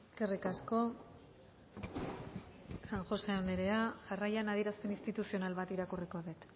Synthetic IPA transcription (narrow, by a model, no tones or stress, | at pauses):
eske̞rikasko̞ | saŋʝo̞se̞and̪eɾeaʝarajanaðiɾast̪e̞nist̪it̪usio̞nalβat̪iɾakuriko̞ðet̪